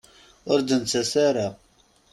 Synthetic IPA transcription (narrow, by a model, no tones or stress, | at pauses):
ʊɾd̪ənt͡sːæsæɾa